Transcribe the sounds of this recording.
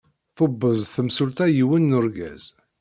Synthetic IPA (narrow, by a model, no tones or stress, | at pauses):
θʊbːəzˤθəmsult̪æjiwənːʊɾɡæ̰z̥